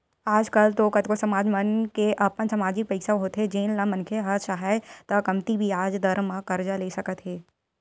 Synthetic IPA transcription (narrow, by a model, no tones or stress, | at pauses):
aːd͡ʒkəlt̪okət̪kosɐmaːd͡ʒmənkeʔɐpənsɐmaːd͡ʒɪk̚pəɪksaɦoːt̪ɦed͡ʒeːnlamənkʰeɦɐʃaɦaɪt̪ɐkɐmt̪ibʱiaːd͡ʒd̪ɐɾmãkɐɾd͡ʒaleːsɐkət̪ɦeː